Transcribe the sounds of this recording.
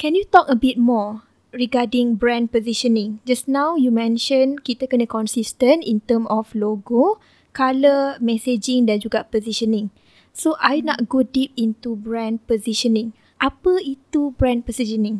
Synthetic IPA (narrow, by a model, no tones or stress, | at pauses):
kɛ̃njut̪ɔkəbit̚mɔ | ɹiɡadĩŋbɹɛ̃nd̚poziʃənĩŋd͡ʒasnãwjumɛ̃nʃə̃nkit̪əkənə̃kɔ̃nsistə̃ntḭ̃nt̪əmɔfloɡo | kaləmɛsed͡ʒĩŋdɛ̃nd͡ʒuɡapɔziʃənĩŋ | soʔajnɔ̰t̚ɡodip̚int̪ubɹɛ̃n̚poziʃənĩŋ | ʔapəit̪ubɹɛ̃npɔziʃənĩŋ